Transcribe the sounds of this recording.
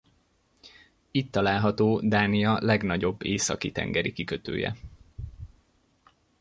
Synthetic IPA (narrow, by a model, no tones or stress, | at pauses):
it̪ːɒlaːlɦɒt̪oːd̪aːnijɒlɛɡnɒɟo̞bːeːsɒ̰kit̪ɛ̰ŋɡɛɾikikøt̪ø̰ːjɛ̰